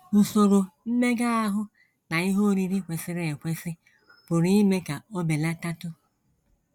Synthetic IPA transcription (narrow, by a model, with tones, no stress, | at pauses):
n̩˨so˨ɾo˨m̩˦me˦ɡa˦a˦ɦʊ˦ | na˨i˦ɦo˦ɾi˦ɾi˦kʷe˨sɪ˦ɾe˨e˨kʷe˦sɪ˦ | pʊ˨ɾi˦i˦me˦ka˨o˦be˨la˦ta˦tʊ˦